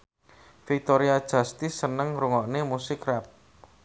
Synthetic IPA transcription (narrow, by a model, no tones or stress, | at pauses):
fik̚t̪oɾiad̥ʒ̥a̤st̪ɪsːənəŋɾuŋɔʔnemusɪkrɛp̚